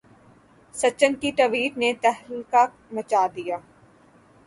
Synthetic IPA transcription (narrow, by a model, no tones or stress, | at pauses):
sɐt͡ʃːənkiʈɐʋiːʈ̪net̪ɛɦɾika | mɐt͡ʃaːd̪ijaː